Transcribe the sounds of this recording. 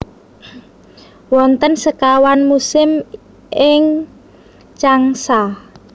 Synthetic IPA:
wɔnt̪ənsəkawanmusɪm | ʔɪŋ | t͡ʃaŋsa

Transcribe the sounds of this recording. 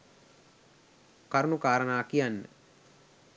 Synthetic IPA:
kaɾunukaːɾənaːkijanːə̰

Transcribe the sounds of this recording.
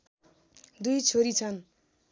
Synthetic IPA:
d̪ujt͡sʰoɾit͡sʰʌn

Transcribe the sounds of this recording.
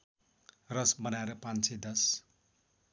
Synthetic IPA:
rʌsbʌnaeɾʌpãnt͡sʰed̪ʌs

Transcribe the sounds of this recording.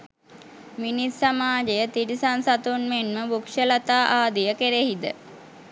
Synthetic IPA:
minissamaːd͡ʒejət̪iɾisansat̪unmenməbukʂəlat̪aːʔaːd̪ijəkeɾehid̪ə

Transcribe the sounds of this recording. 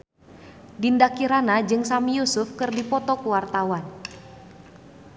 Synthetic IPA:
dindakiɾanad͡ʒɨŋsamijusʊfkɨrdipɔt̪ɔkuwart̪awan

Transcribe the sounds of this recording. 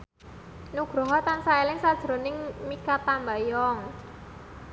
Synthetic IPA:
nuɡ̥ɾɔ̤ɦɔt̪ansaelɪŋsad̥ʒ̥ɾo̤nɪŋmikat̪ambajɔŋ

